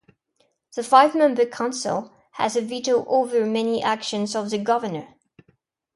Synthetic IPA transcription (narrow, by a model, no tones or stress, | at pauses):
ðəfaɪvmɛ̃mbə˞kʰɑ̃nsə̰lˠ | hə̰zɨviɾoʊʔovə˞mɛniʔækʃə̃nzəvðəɡʌvənə˞